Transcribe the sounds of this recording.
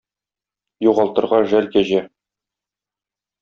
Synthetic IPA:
juʁɑlˠt̪ɤ̆ɾʁɑʒælkæʑæ

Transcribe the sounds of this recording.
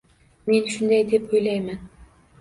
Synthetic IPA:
me̞nʃʊnd̪ajd̪e̞pojlajman

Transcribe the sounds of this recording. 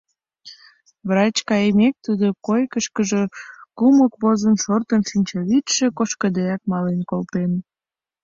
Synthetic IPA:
βrɑt͡ɕkɑjəmek̚t̪ud̪okojkəʃkəʒe̽kuməkβozənʃort̪ənʃinʲt͡ɕɑβit̪ʃĕkoʃkəd̪eɑk̚mɑlenkolpen

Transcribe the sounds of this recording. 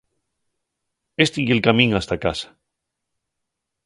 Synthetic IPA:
est̪ijelkamĩŋast̪akasḁ

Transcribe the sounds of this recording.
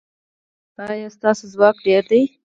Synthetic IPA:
t̪ɑjast̪ɑsozwɑkɖeɾd̪əj

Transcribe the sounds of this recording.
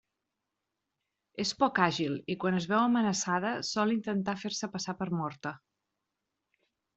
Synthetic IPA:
espɔkaʒilikwanəzβɛwəmənəsað̞əsɔlint̪ənt̪afeɾsəpəsapəɾmɔɾt̪ə

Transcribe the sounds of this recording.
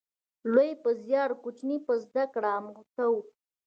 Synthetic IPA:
lojpəzjɑɾkut͡ʃnipəzd̪akɽaːmt̪aw

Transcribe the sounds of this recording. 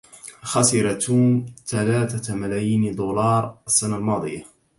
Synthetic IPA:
xɑsɪɾat̪uːmt̪alaːt̪amalaːjiːnd̪uːlɑːɾˤasːanalmɑːd̪ˤɨ̰ja

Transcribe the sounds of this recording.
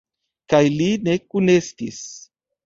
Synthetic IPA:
kajline̞kune̞stis

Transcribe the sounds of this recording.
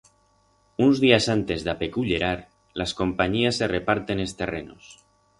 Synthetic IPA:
unzðiasant̪e̞zðape̞kuʎe̞ɾaɾ | lasko̞mpaɲiasːe̞re̞paɾt̪e̞nest̪e̞re̞no̰s

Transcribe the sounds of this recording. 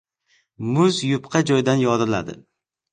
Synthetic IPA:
mʊzjʊpqʰɑd͡ʒɒjd̪anjɒd̪ɾɪla̰d̪ɪ̰

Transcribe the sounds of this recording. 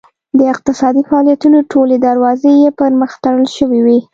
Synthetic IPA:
d̪əɪq̚t̪ɪsɑd̪ifaɑlijat̪unoʈʰoled̪əɾwɑzejepəɾməxt̪aɽəlʃəwiwi

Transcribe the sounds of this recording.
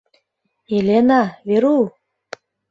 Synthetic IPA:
elenɑβeɾu

